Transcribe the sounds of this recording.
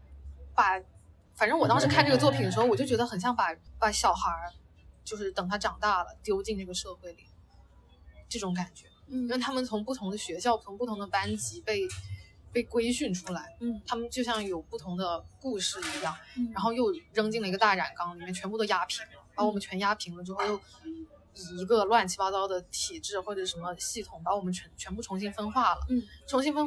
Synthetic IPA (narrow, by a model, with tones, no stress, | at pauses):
pa˨˩ | fa˨˩nʈ͡ʂɤ˥˧ŋwɔ˨˩t̪ɑ˥ŋʂɻ̩˧˥kʰa˥˧nʈ͡ʂɤ˥˩ɡə˩t͡swɔ˥˩pʰi˨˩nd̪ə˩ʂɻ̩˧˥˩wɔ˨˩jo˥˩ʊt͡ɕɥɛ˧˥ə˧xə˨˩nɕjɑ˥˩ŋpa˨˩pa˨˩ɕjɑ˨˩ʊxa˧˥ | t͡ɕjo˥˧ʊʂɻ̩˥˩t̪ɤ˨˩ŋt̪ʰa˥ʈ͡ʂɑ˨˩ŋt̪a˥˩lə̰˩t̪jo˥ʊt͡ɕi˥˧nʈ͡ʂɤ˥˩ɡə˩ʂɤ˥˧xwe˥˩ɪli˨˩ | ʈ͡ʂɤ˥˩ʈ͡ʂʊ˨˧˥ŋka˨˩nt͡ɕɥɛ˧˥i˥˩ɪt̪ʰa˥mə˨nt͡sʰʊ˧˥ŋpu˥˩t̪ʰʊ˧˥ŋd̪ə˧ɕɥɛ˧˥ɕjpt̪ʰŋpu˥˩ʊ˧˥d̪ə˧pa˥nt͡ɕi˧˥pe˥˧ɪ | pe˥˩ɪkwe˥ɪɕy˥˩nʈ͡ʂʰu˥la˧˥ɪt̪ʰa˥mə˨nt͡ɕjo˥˧ʊɕjɑ˥˩ŋjo˨˩ʊpu˥˩t̪ʰʊ˧˥ŋd̪ə˧ku˥˧ʂɻ̩˥˩i˧˥jɑ˥˩ŋa˧˥nxo˥˧ʊjo˥˩ʊɻɤ˥ŋt͡ɕi˥˩ŋlə˩i˧˥ɡə˧t̪a˥˩ɻa˨˩nkɑ˥ŋli˨˩mjɛ˥˩t͡ɕʰɥɛ˧˥npu˥˩d̪ə˩ja˥pʰi˧˥ŋlə˧pa˧˥wɔ˨˩mə˦nt͡ɕʰɥɛ˧˥nja˥pʰi˧˥ŋlə˧ʈ͡ʂɻxo˥˧ʊjo˥˩ʊ | i˧˥ɡə˧lwa˥˩nt͡ɕʰi˥pɑ˥t͡s̪ɑ˥ʊd̪ə˨t̪ʰi˨˩ʈ͡ʂɻ̩˥˩xwɔ˥˩ʈ͡ʂə˨˩˥ʂə˧˥nmə˧ɕi˥˩t̪ʰʊ˧˩˦ŋpa˧˥wɔ˨˩mə˦nt͡ɕʰɥɛ˧˥nt͡ɕʰɥɛ˧˥npu˥˩ʈ͡ʂʰʊ˧˥ŋɕi˥nfə˥nxwa˥˩lə̰˩ʈ͡ʂʰʊ˧˥ŋɕi˥nfə˥n